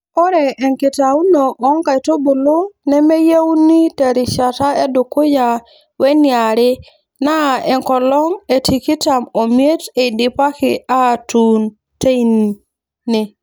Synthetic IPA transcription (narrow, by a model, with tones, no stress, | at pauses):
ɔ˦ɾɛ˨ɛ˨ŋkɪ˨ta˨u˦no˨ʔːŋka˨i˨to˦bʊ˨lo˦nɛ˦me˦je˦wu˦ni˦tɛ˨ɾɪ˨ʃa˨ta˦e˦do˨ko˦ja˨ | wɛ˦nja˨ɾɪ˦ | na˦˨ɛ˨ŋkɔ˨lɔ˦ŋe˨ti˨ki˦ta˨mo˨mje˦te˨dɪ˨pa˦kɪ˨a˦˨tu˨n | te˦i˦n˨ | nɪ˨